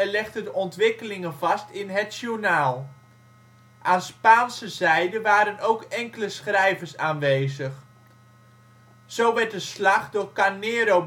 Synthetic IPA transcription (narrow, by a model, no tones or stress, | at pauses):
ɛlɛχtədəʔɔntʋɪkəlɪŋənv̥ɑstɪnɦətʃunaːlˠ | ʔaːnspaːnsəzɛjdəʋaːɾənowkɛŋkələsχrɛjvərsaːnʋejzəχ | sowʋɛɹt̚dəslaχdʊːɹkanɪːɾo